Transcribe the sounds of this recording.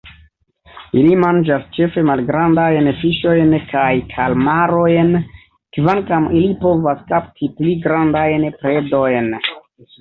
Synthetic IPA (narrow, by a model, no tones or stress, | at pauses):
ilimand͡ʒast͡ʃe̞fe̞malɡɾandajnfiʃo̞jnkajkʰalmaɾo̞jn | kvaŋkamilipo̞vaskap̚tʰipliɡɾandajnpɾe̞do̞jn